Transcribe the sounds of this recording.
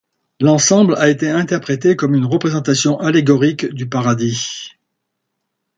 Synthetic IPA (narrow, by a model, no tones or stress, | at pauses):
lɑ̃sɑ̃blaet̪eɛ̃t̪ɛʁpχet̪ekɔmynʁəpχezɑ̃t̪asjɔ̃ʔaleɡɔʁikd̪ypaʁad̪i